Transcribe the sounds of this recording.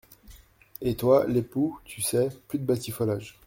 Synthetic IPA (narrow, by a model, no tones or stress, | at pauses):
et̪waleput̪ʰysɛplyd̪əbat̪ifɔlaʒ